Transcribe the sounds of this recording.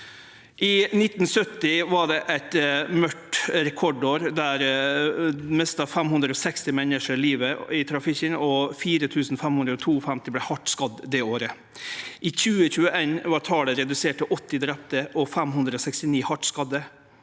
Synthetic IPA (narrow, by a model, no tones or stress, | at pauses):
ʔɪnɪt̪ːn̩sœt̪ːɪʋɑɖɛʔæɪt̪mœʈɾɛkʰɔɖoːɾd̪æɾ | mɛst̪ɑfɛmhʉnd̪ɾəɔsɛkst̪ɪmɛnəʂəɾɪliːʋəɪt̪ʰɾɑfɪkənɔfiːɾət̪ʰʉːsn̩fɛmhʉnd̪ɾəɔt̪ʰuːfɛmt̪ɪblɛhɑʈskɑd̪d̪ɛoːɾə | ʔɪçʉːəçʉːəʔeːnʋɑɾʈ̪ʰɑːləɾɛd̪ʉseːʈəʔɔt̪ːɪd̪ɾɛp̚t̪əʔɔfɛmhʉnd̪ɾəɔsɛkst̪ɪniːhɑʈskɑd̪ə